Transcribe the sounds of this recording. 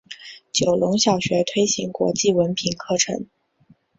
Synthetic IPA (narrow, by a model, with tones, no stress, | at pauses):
t͡ɕjo˨˩ʊlʊ˧˥ŋɕjɑ˨˩ʊɕɥɛ˧˥t̪ʰwe˥ɪɕi˧˥ŋkwɔ̰˧˥t͡ɕi˥˩wə˧˥npʰi˨˩nkʰɤ˥˩ʈ͡ʂʰɤ̰˧˥ŋ